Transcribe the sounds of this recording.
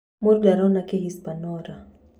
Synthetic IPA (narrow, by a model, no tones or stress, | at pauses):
muɾɡaɾɔnakeɦispanɔɾa